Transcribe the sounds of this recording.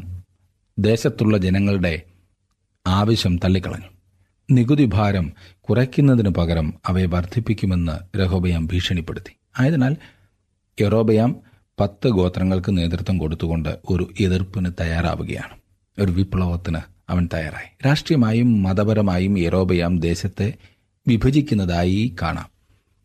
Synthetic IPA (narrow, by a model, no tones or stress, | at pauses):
d̪e̞ːɕɐt̪ːuɭːɐd͡ʑenɐŋːɐɭuɽe̞ | aːʋɐɕjɐmt̪ɐlːikːɐɭɐ̰ɲːu | niɡuðibʱaːɾɐmkurɐkʲːunːɐðinɨpɐɣɐɾɐmɐʋeʋɐrd̪ʱipːikʲːume̞nːɨ̰ɾeɦo̞ːbɐjaːmbʱiːʂɐɳipːe̞̰ɽut̪ːi̥ | aːjɐðɨnaːl | ero̞ːbɐjaːm | pɐt̪ːɨɡo̞ːt̪rɐŋːɐɭkɨne̞ːd̪rɨt̪ʋɐmko̞ɽut̪ːuɣo̞ɳɖɨ̰o̞ɾuʔeðirpɨnɨt̪ɐjaːra̰ːʋuɣɐ̰ja̰ːɳɨ | o̞ɾuʋipɭɐʋɐt̪ːinɨ | ɐ̰ʋɐnt̪ɐja̰ːra̰ːjiɾaːʂʈrijɐmaːjumːɐðɐbɐɾɐmaːjumeɾo̞ːbɐjaːmd̪e̞ːɕɐt̪ːe̞ | ʋibʱɐd͡ʑikʲːunːɐðaːjika̰ːɳa̰ːm